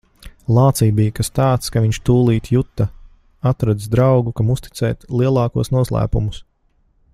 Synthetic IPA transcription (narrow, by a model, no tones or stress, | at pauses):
lˠɑːt̪siːbijkast̪aːt̪skaviɲt͡ʃt̪uːlˠiːt̪jut̪ːa | at̪ɾad̪zd̪ɾawɡukamust̪i̥t̪sɛːt̪lˠiɛlˠɑːkuɔsnuɔslˠæ̰ːpumus